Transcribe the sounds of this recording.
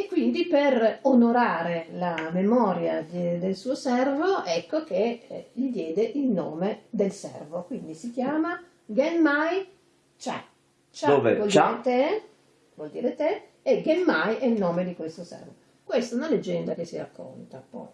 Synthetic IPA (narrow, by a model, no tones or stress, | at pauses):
ekːwind̪iperonoɾaːɾelamemɔːɾjad̪d̪elsuːosɛrvoʔɛkːok̟eʎid̪jɛːd̪eʔilno̰ːmed̪elsɛ̰rvokwind̪isik̟jaːma | ɡɛnmaj | t͡ʃɛ̰ | t͡ʃavevɔliːɾet̪e | vwɔld̪iːɾet̪eː | ɡemːajʔɛilnoːmed̪ikwest̪osɛ̰rvo | kwest̪aɛunaled͡ʒːɛnd̪ak̟esːiɾa̰kʰːo̰nt̪apɔ̰j